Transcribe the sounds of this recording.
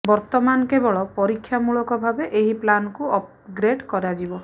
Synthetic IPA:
bɔɾt̪ɔmanɔkebɔɭɔpɔɾikʰːjamuɭɔkɔbʱabeʔeɦiplanɔkuɔp̚ | ɡɾeɖkɔɾad͡ʒibɔ

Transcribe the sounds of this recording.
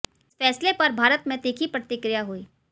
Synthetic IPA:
ɪsfɛːslepɐɾbʱaːɾət̪mẽt̪eːkʰipɾət̪ɪkɾɪjaɦuiː

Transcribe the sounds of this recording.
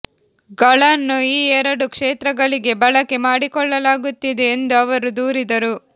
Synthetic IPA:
ɡɐɭɐnːuiːɛɾɐɽukʂeːt̪ɾɐɡɐɭiɡe̞bɐɭɐke̞maːɽikɔɭːɐlaːɡut̪ːid̪e̞ːnd̪uɐʋɐɾud̪uːɾid̪ɐɾu

